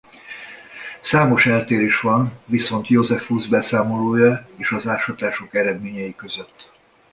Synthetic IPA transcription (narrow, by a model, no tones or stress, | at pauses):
saːmo̞ʃɛlt̪eːɾeːʃʋɒnviso̞nt̪jo̞zɛfuzbɛsaːmo̞loːjɒeːʃɒzaːʃɒt̪aːʃokɛɾɛd̪meːɲɛjikø̞zø̞t̪ː